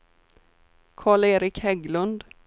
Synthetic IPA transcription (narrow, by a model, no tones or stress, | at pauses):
kʰɑːɭeːɾɪkhɛɡlɵnd̪